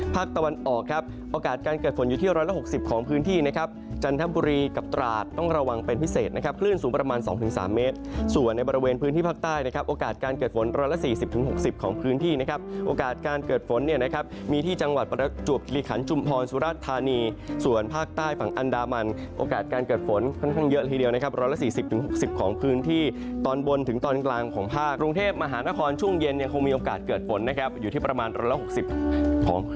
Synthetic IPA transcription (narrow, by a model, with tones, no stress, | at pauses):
pʰaː˥˩k̚t̪a˧wa˧nʔɔː˨˩kʰːa˦˥p̚ | ʔoː˧kaː˨˩t̪̚kaː˧nkɤː˨˩t̪̚fo˩˦njuː˨˩t̪ʰi˥˩ɾɔː˦˥jla˧˥˩ɦo˨˩k̚si˨˩p̚kʰɔː˩˦ŋpʰɯː˦˥nt̪ʰiː˥˩na˦˥kʰa˦˥p̚t͡ɕa˧nt̪ʰa˦˥buː˧ɾiː˧ka˨˩p̚t̪ɾaː˨˩t̪ːɔ˥˩ŋɾa˧wa˧ŋpe˧npʰi˦˥seː˨˩t̪na˦˥kʰa˦˥p̚kʰlɯ˥˩nsuː˩˦pɾa˧maː˧nsɔ̰ː˩˦ŋt̪ʰɯ˩˦ŋsa̰ː˩˦mːeː˦˥t̪̚su˨˩ənːa˧jbɔː˧ɾi˧weː˧npʰɯː˦˥nt̪iː˥˩pʰaː˥˩kt̪aː˥˩jna˦˥kʰa˦˥p̚ʔoː˧kaː˨˩t̪̚kaː˧nkɤː˨˩t̪̚fo˩˦nɾɔː˦˥jla˧˥siː˨˩si˨˩p̚t̪ʰɯ˩˦ŋɦo˨˩k̚si˨˩p̚kʰɔː˩˦ŋpʰɯː˦˥nt̪ʰiː˥˩na˦˥kʰa˦˥p̚ʔoː˧kaː˨˩t̪̚kaː˧nkɤː˨˩t̪̚fo˩˦nːi˥˩əna˦˥kʰa˦˥p̚miː˧iː˥˩t͡ɕa˧ŋwa˨˩t̪̚pɾa˧t͡ɕu˨˩əp̚ki˨˧li˧kʰa̰˩˦nt͡ɕʰu˧mpʰɔː˧nsuː˨˦ɾaː˦˥˩t̪ʰːaː˧niː˧su˨˩ənpʰaː˥˩k̚t̪aː˥˩jfa˩˦ŋʔa˧ndaː˧ma˧nʔo̰ː˧kaː˨˩t̪̚kaː˧nkɤː˨˩t̪̚fo˩˦nkʰɔ˥˩nkʰa˥˩ŋjɤ˦˥ʔlʰiː˧˩di˧əwna˦˥kʰa˦˥ɾɔ˦˥jla˧˥siː˨˩si˨˩p̚t̪ʰɯ˩˦ŋɦo˨˩k̚si˨˩p̚kʰɔː˩˦ŋpʰɯː˦˥nt̪ʰiː˥˩t̪ɔː˧nbo˧nt̪ʰɯ˩˦ŋt̪ɔː˧nklaː˧ŋkʰɔː˩˦ŋpʰaː˥˩kɾu˧ŋt̪ʰeː˥˩p̚ma˧ɦaː˩˦na˦˥kʰɔː˧nt͡ɕʰu˥˩əŋje˧nja˧ŋkʰo˧ŋmiː˧ʔoː˧kaː˨˩t̪̚kɤː˨˩t̪̚fo˩˦nːa˦˥kʰa˦˥p̚juː˨˩iː˥˩pɾa˧maː˧nɾɔː˧˥jla˦˥ho˨˩k̚si˨˩p̚kʰɔ̰ː˩˦ŋ